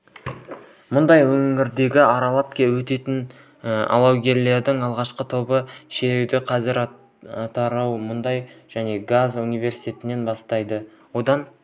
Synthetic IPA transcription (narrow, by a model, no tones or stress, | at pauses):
mʊnd̪ɑjwɵŋɪɾd̪e̞ɡʲɪɑɾɑlˠɑp̚kʲe̞wɵt̪e̞t̪ɪn | ɑ̰lˠɑwɡʲe̞ɾle̞ɾd̪ɪŋɑlˠʁɑʃqət̪ʰo̞bəʃeewd̪ɪqʰɑzɪɾ | ɑt̪ɑɾɑwmʊnd̪ɑjʒ̥æne̞ɡazunijvʲe̞ɾsi̥jt̪e̞t̪ɪne̞nbɑst̪ɑjd̪ə | wo̞d̪ɑn